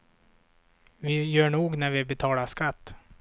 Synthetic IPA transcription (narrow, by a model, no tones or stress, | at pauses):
vɪjœːɳuːɡnæɾvɪbɛt̪ʰɑːlaʂkat̪ː